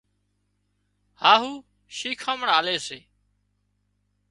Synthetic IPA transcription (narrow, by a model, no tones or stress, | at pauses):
haːɦuː | ʃiːkʰãːməɳaːleːseː